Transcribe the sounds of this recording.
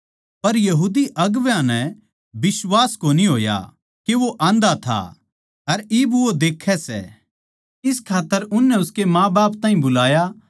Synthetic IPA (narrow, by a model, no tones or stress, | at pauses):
pɐɾjɐɦuːd̪iʔɐɡʋjãnɛ̃ | bɪsʋaːskoːniɦoːja̰ | keʋoʔãːnd̪at̪ʰa̰ | ɐɾɪbʋod̪eːkʰːɛsɛ̰ | ɪskʰaːt̪ːəɾʊnːɛʊskemãːbaːpt̪ãːɦĩbʊlaːja